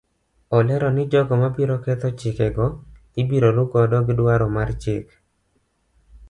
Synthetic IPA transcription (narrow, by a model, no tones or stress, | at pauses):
ɔlɛɾɔnɪd͡ʒɔɡɔmabiɾɔkɛt̪ɔt͡ʃɪkɛɡɔ | ɪbiɾoɾʊɡɔdɔɡɪdwaɾɔmart͡ʃɪk